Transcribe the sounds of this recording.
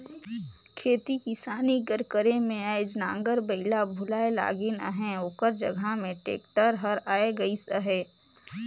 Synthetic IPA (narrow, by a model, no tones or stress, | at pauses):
kʰeːt̪ikisaːniɡəɾkəɾemẽaɪd͡ʒnã̰ːŋɡəɾbəɪlabʱʊlaːela̰ːɡɪna̰ɦɛ̃oːkəɾd͡ʒə̰ɡʱamẽʈḛːkʈəɾɦəɾaːeɡɐisəɦɛː